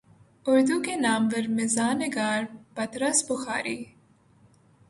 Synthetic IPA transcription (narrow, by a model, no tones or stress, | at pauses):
ʊɾd̪ukenɑːmʋəɾmɪzɑːnɪɡɑːɾbɐt̪ɾɐsbʊxɑ̰ːɾiː